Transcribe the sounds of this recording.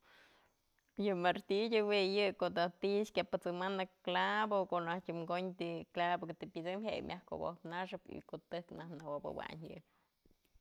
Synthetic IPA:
jɨmaɾt̪idʲowijɨkoʔd̪at̪iʔskʲapɨt͡sɨmanɨklabokoʔnahkʲumɡoɲt̪iklabokɨt̪ipʲit͡sɨmɦejmʲʔahko̰bo̰hpnaʂɨpḭkoʔt̪ɨhknahnawobɨ̰wa̰ɲjɨ̰ʔ̚

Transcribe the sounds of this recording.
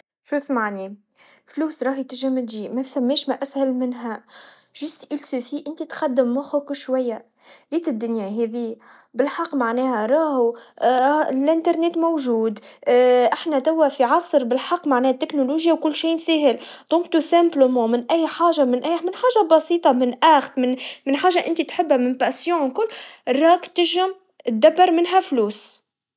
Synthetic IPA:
ʃuːsmaʕni | fluːsɾˤɑːɦjt̪ɪʒæmɪd̪iːmæfæmːɛːʃmæʔæshælmɪnɦæ | ʒ̥ʊst̪ʔilsufiʔɪnt̪it̪xæd̪ːɪmːɑxʊkʃwæjːæ | liːt̪ɪd̪ːʊnjæɦɛːðiː | bɪlħɑqːmaʕnɛːhæɾˤɑːhu | lʔɪnt̪ɑɾˤneːt̪mowʒuːd̪ʔɪħnæt̪æwːæfiʕɑsˤɾbɪlħɑqːmaʕnɛːhæt̪ːɪknuluʒjawkʊlːʃiːnseːɦɪld̪̥ˤʊmkt̪usæmblmõmɪnʔæjːħaːʒamɪnʔæmɪnħaːʒabɑsiːt̪ˤɑmɪnʔæxt̪mɪnmɪnħaːʒaʔɪnt̪it̪ħɪbːæmɪnpasjõːwkʊlːrˤːɑːkt̪ɪʒɪm | t̪̚d̪ːabːɑɾˤmɪnɦæfluːs

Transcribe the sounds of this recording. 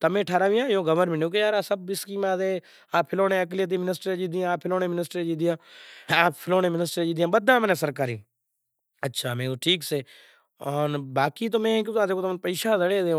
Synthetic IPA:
t̪əmẽːʈʰaːɾaːʋĩːãːjõːɡəməɾmɪɳõːk̬ejaːɾaːsəbɪskiːmãːzeː | aːpʰɪloːnẽːək̬lit̪̬iːmɪnɪsʈɾed͡ʒiːd̪iãːpʰɪloːnẽːmɪnɪsʈɾed͡ʒiːd̪ijãːaːpʰɪloːnẽːmɪnɪsʈɾeːd͡ʒiːd̪ijãːbəd̪ãːmneːsəɾkaːɾiː | ətːʃʰaːmẽːoʈʰiːkseː | ɔːnbaːkiːt̪̬oːmẽːkũt̪ãd̪eːkoːt̪mpiːʃaːzəɽeːd̪ẽ

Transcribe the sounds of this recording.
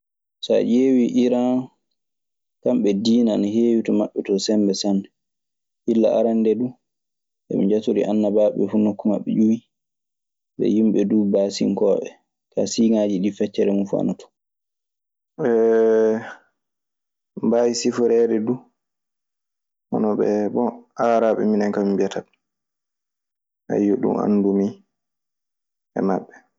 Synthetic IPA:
sa̰ʔeːwiʔiɾa | kamɓɛdiːnanheːwitɔmaɓːɛtɔsɛmbɛsanɛ | hilːa̰ʔa̰ɾandɛdu | ɓɛ̰mḭd͡ʒatoɾḭʔanːabaːɓɛ̰funokːuma̰ɓːɛ̰d͡ʒuwi | ɓɛ̰jimɓɛdubaːsḭŋkɔːɓɛ̰ | ka̰siŋaːd͡ʒiɗifɛt͡ʃːɛɾɛmunfua̰natɔ̥ | ɓɛ | bajisifɔɾɛɾɛdu | hɔ̰nɔɓɛbɔaːɾaɓɛ̰minaŋkamimbɛtat | ha̰jːoɗṵma̰nːdumi | ʔɛ̰maɓːɛ

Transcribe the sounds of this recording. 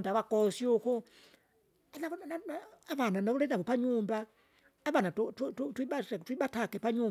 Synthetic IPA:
ndaβakʼɔsiukɔ | anaβnaaβananaβulɛnaβɔpaɲumbaː | βanattututiɓatwiɓatʰakɛpaɲuː

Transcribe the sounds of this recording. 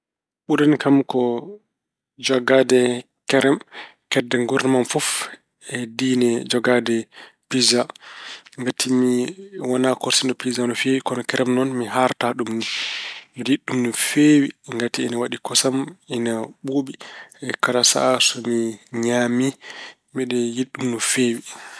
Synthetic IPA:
ɓuɾankamkɔ | d͡ʒɔɡadɛ | kɛɾɛmkɛdːɛŋɡuɾnimanfɔf | ɛdiːnɛd͡ʒɔɡadɛpiza | ŋɡatʰimiwanakɔɾsinɗɔpizanɔfewikɔnɔkɛɾɛmnɔnmiɦaɾtaɗumnimiɗiɗːumnufewiŋɡatiɛnawaɗikɔsaminaɓoɓiɛkalasa̰sɔmiɲami | miɗɛjiɗːumnufeːwi

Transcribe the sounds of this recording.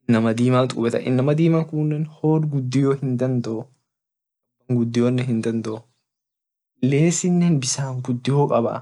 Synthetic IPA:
nːɐmɐd̪iːmaːnt̪ʼʊbɛt̪ɐ̰ʔɪ̰nːɐmɐd̪iːmaːkʊnːɛnhoːɾɡʊd̪ːɪjoːhɪnd̪ɐnd̪ɔʔɔ | ɐbɐŋɡʊd̪ːɪjoːnːɛhɪnd̪ɐnd̪ɔɔ | leːsɪnːɛnbɪsaːŋɡʊd̪ːɪjoːkʼɐbɐ̰ʔ

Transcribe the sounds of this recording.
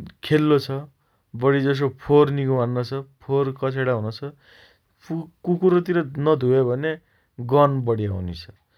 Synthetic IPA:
kʰelːot͡sʰʌ | bʌɽid͡zʌs̬opʰorniɡumanːʌt͡sʰʌpʰorkʌt͡sʰeɽaɦunot͡sʰʌ | pʰukukuɾot̪iɾʌnʌd̪ʱuebʱʌne | ɡʌnbʌɽia̰wnit͡sʰʌ̥

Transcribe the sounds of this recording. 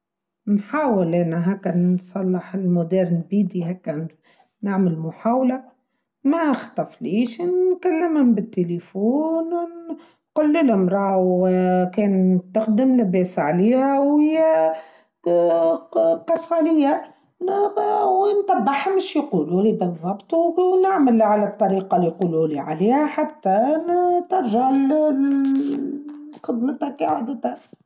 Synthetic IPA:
nħaːwɪlʔænæɦækːænsˤɑlːɪħɪlmʊd̪ɛːɾnbiːd̪iɦækːæ | naʕmɪlmʊħaːwla | mæxt̪ˤɑfliːʃnkalːɪmhʊmbɪt̪ːelefuːnwn | qʊlːɪlhʊmɾˤɑːwkɛːnst̪axd̪ɪmlɪbɛːsʕaliːhæwhɪjːæ | qɑsˤɑlɪjːæ | wnt̪ˤɑbːɑħmɪʃjquːlulibɨðˤːɑbt̪ˤuwnɪʕməlʕalæt̪ˤːɑɾiːqɑlijquːluliʕa̰liːhæħat̪ːæt̪ɑɾˤʒaʕll | xɪb̪nət̪ækʕad̪ət̪æ

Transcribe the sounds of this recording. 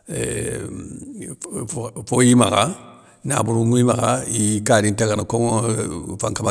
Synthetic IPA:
fojima̰ka | na̰buɾuŋuimaɣaikaɾintekanakoŋofãŋkama

